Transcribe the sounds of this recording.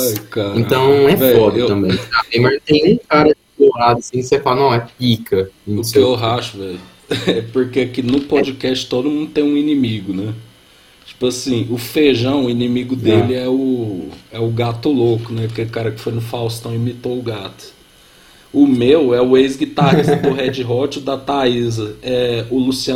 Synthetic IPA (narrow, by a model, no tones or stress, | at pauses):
ajkaɾẽnt̪ɐ̃w̃nɛvɛɔd̪eɐ̃mẽj̃aẽj̃mɐznt̪ẽj̃ũkaɾɐɪd̪oad̪ɐsĩksefalɐnɐ̃w̃ɛpikɐiʊkeeɦaʃʊvɛj | ɛpoɾkeakinʊpɔd͡ʒikɛst͡ʃɪ̥t̪od̪ʊmũnd̪ʊt̪ẽj̃ũinĩmiɡʊnɛ | t͡ʃi̥pʊasĩʊfeʒɐ̃w̃ʊinĩmiɡʊd̪elɪɛʊ | ɛʊɡat̪ʊlokʊnɛpʊkelɪkaɾɐkɪ̥fojnʊfawst̪ɐ̃w̃ɪmit̪oʊɡat̪ʊ̥ | ʊmewɛʊejzɡit̪aɾizɐp̪ʊɦɛd͡ʒɪɦɔt͡ʃʊd̪ɐt̪aizɐɛʊlusiɐ̃